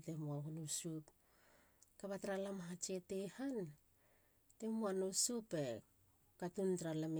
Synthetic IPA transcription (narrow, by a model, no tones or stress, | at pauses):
temuaɡonusup | kaβatɾalamaɦat͡ʃetehan | te̞muanusupe | katuntɾalam